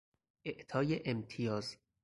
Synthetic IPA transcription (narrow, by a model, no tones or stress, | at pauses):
eʔt̪ʰɒːjeʔemt̪ʰijɒːz